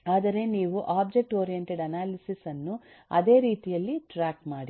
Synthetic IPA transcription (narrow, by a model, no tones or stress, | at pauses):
aːd̪ɐɾe̞niːʋuʔaːbd͡ʒek̚ʈoːɾijeɳʈeɖɐnaːlisisɐnːu | ɐ̰d̪e̞ːɾiːt̪ijɐlːiʈɾaːkmaːɽi